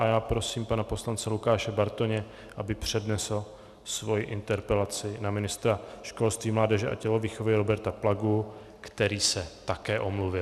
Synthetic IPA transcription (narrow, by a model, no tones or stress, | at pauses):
ʔajaːpɾo̞siːmpanapo̞slant͡sɛlukaːʃɛbaɾt̪oɲɛ | ʔabɪpr̝̥ɛdnɛsl̩ | svo̞jɪʔɪnt̪ɛɾpɛlat͡sɪnamɪnɪst̪ɾaʃko̞lst̪viːmlaːdɛʒɛʔa̰cɛlo̞viːxovɪɾo̞bɛɾt̪aplaɡu | kt̪ɛɾiːsɛt̪akɛːʔo̞mluvɪl